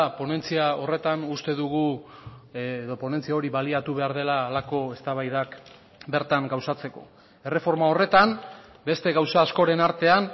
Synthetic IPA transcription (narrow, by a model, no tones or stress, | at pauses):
po̞ne̞nt͡siao̞re̞t̪anust̪e̞ðuɣ̞u | ðo̞po̞ne̞nt͡siao̞ɾiβaliat̪uβ̞e̞aɾðe̞laːlako̞e̞st̪aβajðak | be̞ɾt̪aŋɡawsat͡se̞ko̞̰ | e̞re̞fo̞ɾmao̞re̞t̪am | be̞st̪e̞ɣawsaːsko̞ɾe̞naɾt̪e̞an